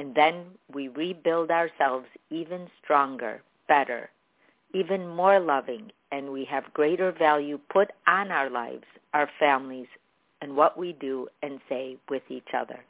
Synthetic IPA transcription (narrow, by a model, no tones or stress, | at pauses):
ɨ̃nðɨ̃nwiɹibɪlˠdaʊə˞sɛlˠvz̥ivɨ̃nstɹ̥ɔ̃ŋɡə̰˞ | b̥ɛɾə̰˞ | ivɨ̃nmɔɹlʌvɪ̃ŋ | ɨ̃nwiɨvɡɹeɪɾə˞vælˠjupʰʊɾn̩aʊə˞laɪvz̥ | aʊə˞fæ̃mliz | ɨ̃nwʌʔwiduɨ̃nseɪwɪðit͡ʃʌ̰ðə̰˞